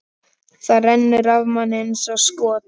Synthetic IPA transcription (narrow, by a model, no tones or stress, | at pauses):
θaðrɛnːɪɾavmanɪnsawskɔːt̪